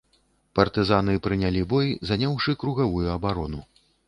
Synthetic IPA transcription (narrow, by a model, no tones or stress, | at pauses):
pɐrt̪ɨzanɨpɾɨnʲalʲibɔjzanʲawʂɨkɾuɣavujuɐbaɾɔnu